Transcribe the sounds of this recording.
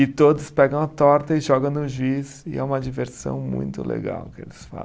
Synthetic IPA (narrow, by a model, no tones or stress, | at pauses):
ɪt̪od̪ʊspɛɡɐ̃w̃ɐt̪ɔɾt̪ɐɪʒɔɡɐ̃w̃nʊʒuisɪɛ̰ũmɐd͡ʒiveɾsɐ̰̃w̃mṵ̃j̃t̪ʊ̰lḛɡa̰wkɪḛlɪsfã̰